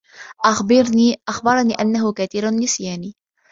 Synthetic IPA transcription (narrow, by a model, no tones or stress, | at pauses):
ʔaxbɪɾniːʔaxbɑɾˤɑniːʔanːaɦʊkaːt̪iːɾanːɪsjaːniː